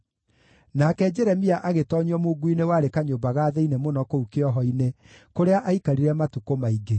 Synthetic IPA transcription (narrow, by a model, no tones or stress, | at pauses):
nakɛd͡ʒɛɾɛmiaʔaɣetɔɲɔmoɡuinewaɾekaɲombaɣaːðɛinemonɔkoukeɔɦɔine | koɾeaʔaikaɾiɾɛmatukomaiɡe